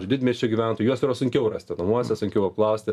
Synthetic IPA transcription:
d͡ʒʲʊdʲɪd̪ʲmʲɛsʲʃʲt͡ʃʲʊɡʲiːʋʲæːˑnt̪ojʊjuɔsiɾoːsʊŋʲkʲɛʊrɐsʲt̪ʲɪnɐmuɔsʲɛsʊŋʲkʲɛʊɐpklˠɐʊsʲt̪ʲɪ

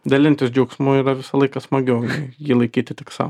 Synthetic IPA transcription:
d̪ɐlʲɪnʲt̪ʲɪsd͡ʒʲɛʊksmoːiːɾɐʋʲɪsɐlˠɐɪkɐsmɐɡʲɛʊnɐɪjiːlˠɐɪkʲiːt̪ʲɪt̪ʲɪksɑ̰

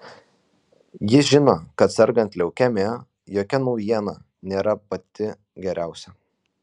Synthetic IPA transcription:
jɪʒʲɪnoːkɐt̪sʲɛɾɡɐnʲt̪ʲlʲɛʊkʲæmʲeː | joːkʲɛnɐʊjiɛnɑ | nʲeːɾɐpɐt̪ʲɪ | ɡʲɛɾʲæˑʊsʲɛ

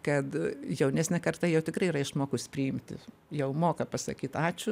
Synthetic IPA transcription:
kɐt̪jɛʊnʲæsʲnʲɛkɐrt̪ɐjɛʊt̪ʲɪkrɐɪirɐɪʃmoːkʊspʲɾʲɪɪmʲt̪ʲɪ̰ | jɛʊmoːkɐpɐsɐ̰kʲiːt̪ɑːt͡ʃʲʊ

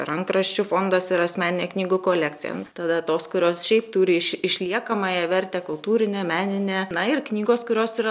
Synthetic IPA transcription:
pɛɾɐŋkɾɐʃʲt͡ʃʲufoːnd̪ɐsɪɾɐsʲmʲæːnʲɪnʲeːknʲiːɡukoːlʲæːktt͡s̪ʲɪjɛ̰t̪ɐd̪ɐt̪oːskʊɾʲoːsʃʲɛɪpt̪uːɾʲɪɪʃɪʃʲlʲiɛkɐmɐjɛʋʲɛɾʲt̪ʲeːkʊlˠt̪uːɾʲɪnʲeːmʲæːnʲɪnʲeːnɐɪrknʲiːɡoːskʊɾʲoːsiɾɐ

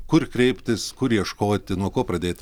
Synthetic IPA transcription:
kʊɾkɾʲɛɪpʲt̪ʲɪskʊɾjiɛʃkoːt̪ʲɪnuɔkoːpɾɐd̪ʲeːt̪ʲ

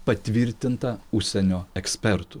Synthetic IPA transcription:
pɐt̪ʲʋʲɪɾʲt̪ʲɪnt̪ɐʊʃʲsʲɛnʲoːɛksʲpʲɛɾt̪ʊ

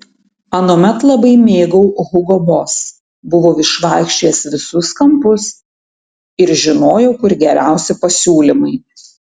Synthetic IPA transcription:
ɐnoːmʲɛt̪lˠɐbɐɪmʲeːɡɔʊɣʊɡɔboːs | bʊʋoːɪʃʋɑˑɪkʃʲt͡ʃʲeːsʋʲɪsʊskɐmpʊs | ɪɾʒʲɪnoːjɛʊkʊɾʲɡʲɛɾʲæˑʊsʲɪpɐsʲuːlʲɪmɐɪ

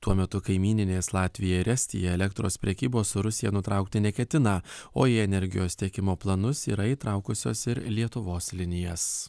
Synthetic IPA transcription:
t̪uɔmʲɛt̪ʊkɐɪmʲiːnʲɪnʲeːslˠɑːt̪ʲʋʲɪjɛɪɾʲɛsʲt̪ʲḭjɛɛlʲɛkt̪ɾo̰ːspʲɾʲɛkʲiːboːsʊɾʊsʲɪjɛnʊt̪ɾɑˑʊkt̪ʲɪnʲɛkʲɛt̪ʲɪnɑːo̰ːjiːɛnʲɛɾʲɡʲɪ̰joːst̪ʲiɛkʲɪmoːplˠɐnʊsḭːɾɐiːt̪ɾɐˑʊkʊsʲo̰ːsɪɾlʲiɛt̪ʊʋoːslʲɪnʲɪjɛs

